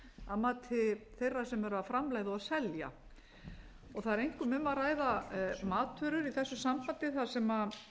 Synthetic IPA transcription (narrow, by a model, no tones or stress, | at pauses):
aðmaːt̪ʰɪθejrːḁsɛmɛɾaafɾamlaːɣðʏaðsɛlja̰ | ɔɣθaðɛɾejŋkʏmʏmːaraːjðamaːt̪ʰœɾʏɾiθɛsːʏsampant̪ɪθḁsɛma